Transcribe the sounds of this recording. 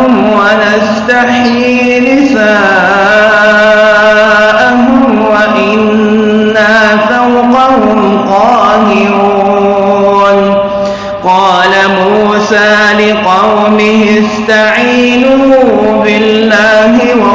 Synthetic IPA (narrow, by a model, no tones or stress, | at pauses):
ʊmwanast̪aħjiː | nɪsaː | ʔaɦʊmwaʔɪnː | afawqɑhʊm | qɑːhɪɾuuː | n | qɑːlamuːsaːlɪqɑwmɪhɪst̪aʕiːnʊhʊbɪlːaːɦɪw